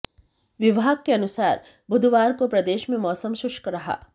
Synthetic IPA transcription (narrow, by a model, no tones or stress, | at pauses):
ʋɪʋaːɡ̚keɐnʊsaːɾ | bʱʊd̪ʱʋaːɾkopɾɐd̪eːʃmẽmɔːsəmʃʊʃkɾɐɦa̰ː